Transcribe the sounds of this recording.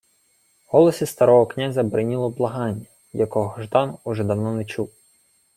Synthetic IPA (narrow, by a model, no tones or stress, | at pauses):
hɔlˠɔsʲist̪ɐɾɔɦɔknʲazʲɐbɾɪnʲilˠɔblˠɐɦɑnʲːɐ | jɐkɔɦɦɔʒd̪ɑnʊʒɛd̪ɐwnɔnɛt͡ʃuw